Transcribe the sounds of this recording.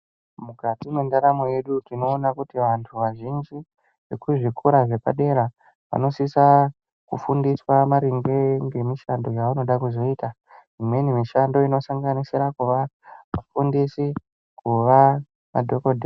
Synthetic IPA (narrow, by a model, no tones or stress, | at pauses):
mukatimwendaɾamoje̞ɗutino̞ːnakutiʋantʰuʋaʒind͡ʒi | ʋe̞kuʐikʰuɾaʐe̞pa̰ɗe̞ɾa | ʋa̰no̞sisa | kufundiswamaɾiŋɡeŋɡe̞miʃando̞jaʋano̞ɗakuzo̞iːta | ʐimwe̞nimiʃando̞ino̞saŋɡanisiɾakuʋamafundisi | kuʋa | ma̰dʱokodʱe